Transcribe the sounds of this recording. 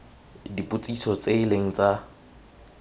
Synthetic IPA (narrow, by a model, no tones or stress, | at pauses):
dipʼʊt͡sʼisɔt͡sʼeɪleŋ̩t͡sʼa